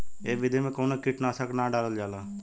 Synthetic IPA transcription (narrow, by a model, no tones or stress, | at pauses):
eːʋɪd̪eːmẽːkoːnaːkɪʈnaːsəknaːɖaːɾəld͡ʒaːlaː